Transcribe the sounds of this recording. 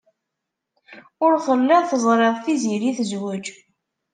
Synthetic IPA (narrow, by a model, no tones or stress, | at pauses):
ʊɾχəlːæðˤθəzˤɾˤeðˤθiziɾiθəzwəd͡ʒ